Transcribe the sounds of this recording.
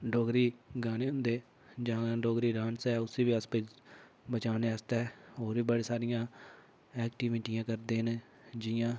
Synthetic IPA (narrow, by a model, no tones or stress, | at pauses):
ɖoːɡɾiːɡaːneːɦʊ̃nd̪eː | d͡ʒãːɖoːɡɾiːɾãːnsɛːʊsiːʋiːəsped͡ʒ | bət͡ʃaːneːəst̪ɛːɦoːɾiːbəɽeːsaːɾɪjãː | ɛːkʈiːʋɪʈɪjãːkəɾd̪eːn | d͡ʒɪjãː